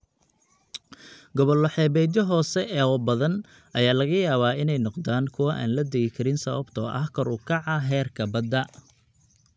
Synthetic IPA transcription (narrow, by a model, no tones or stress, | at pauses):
ɡɔβɔlɔħɛːβɛːd̪jɐɦɔːsɛʔɛːwɔbɐðɐn | ʔɐjaːlɐɣɐjaːβaːɪnɛjnɔqd̪aːŋkʰʊwɐʔa̰ːnlɐd̪ɐɣɪkʰɐɾɪnsɐβɐbt̪ʰɔ̰ːʔɐ̰hkʰɔɾuːkʰɑʕɑɦɛːrkʰɐbɐd̪ɐ